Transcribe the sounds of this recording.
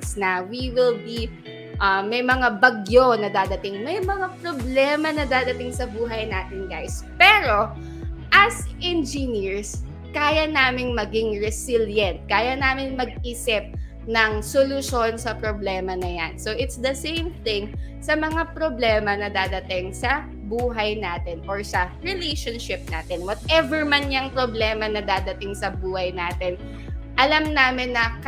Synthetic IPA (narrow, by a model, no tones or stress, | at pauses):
snɐwiwɪlbi | ʔɐmɐjmɐŋabɐɡjonɐd̪aːd̪ɐt̪ɪŋmɐjmɐŋapɾoblɛːmɐnɐd̪aːd̪ɐt̪ɪŋsɐbuːɦɐjnaːt̪ɪnɡajspɛːɾo̞ | ʔɐsʔɛnd͡ʒɪniɹs | kaːjɐnaːmɪnmɐɡɪŋɹɛsɪljɐnt̪̚kaːjɐnaːmɪnmɐɡ̚ʔiːsɪp̚ | nɐŋsolʊʃonsɐpɾoblɛːmɐnɐjansoʔɪt̪sd̪ɐsẽjmθɪŋ | sɐmɐŋapɾoblɛːmɐnɐd̪aːd̪ɐt̪ɪŋsɐ | buːɦɐjnaːt̪ɪnʔoɹsɐɹɛlejʃonʃɪp̚na̰ːt̪ɪnwɐt̪̚ʔɛvɛɹmɐnɲɐŋpɾoblɛːmɐnɐd̪aːd̪ɐt̪ɪŋsɐbuːhɐjnaːt̪ɪn | ʔɐlamnaːmɪnːɐk